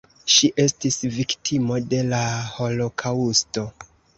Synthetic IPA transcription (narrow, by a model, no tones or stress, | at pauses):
ʃiʔe̞stisviktʰimo̞de̞laho̞lo̞kʰausto̞